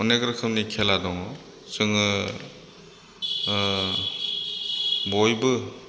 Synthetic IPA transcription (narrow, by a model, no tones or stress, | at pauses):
ɔnekɾɯkʰɯmnikʰeladɔŋɔ | sɯŋɯ | bɔjbɯ